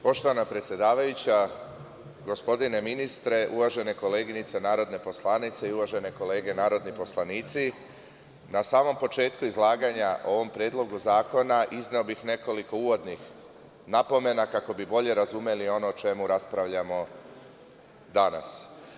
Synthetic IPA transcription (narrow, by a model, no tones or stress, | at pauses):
po̞ʃt̪o̞ʋanapɾet̪sʲje̞d̪aːʋajut͡ɕa | ɡo̞spo̞d̪ine̞minist̪ɾe̞ʔuʋaʒe̞ne̞ko̞le̞ːɡinit̪se̞naːɾo̞d̪ne̞po̞slˠanit̪se̞iuʋaʒe̞ne̞ko̞le̞ːɡe̞naːɾo̞d̪nipo̞slˠaniːt̪si | nasaːmo̞mpo̞t͡ʃe̞ːt̪kuizlˠaːɡaɲaʔo̞ʋo̞mpɾjeːd̪lˠo̞ɡuzaːko̞naʔizneobixne̞ko̞liko̞uʋo̞d̪nix | napo̞me̞nakako̞bibo̞ʎe̞ɾazume̞lio̞noːt͡ʃe̞muɾaspɾaʋʎamo̞ | d̪ana̰s